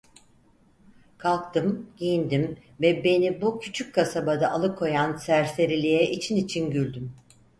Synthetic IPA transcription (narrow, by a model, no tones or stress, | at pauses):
kʰalˠk̚t̪ʰɯmɟ̥ijind̪imvɛbe̞nibucʰyt͡ʃʰyc̚kʰːasabad̪aʔːlˠɯkʰo̞jansæɾse̞ɾilʲijɛʔit͡ʃʰinit͡ʃʰinɟylʲd̪ym